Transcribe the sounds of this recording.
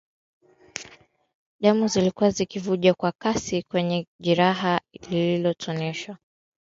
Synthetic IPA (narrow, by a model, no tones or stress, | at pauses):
ʄamuzilikuazikivuʄakwakasikwɛɲɛʄiɾaɦalililɔtʰɔnɛʃwa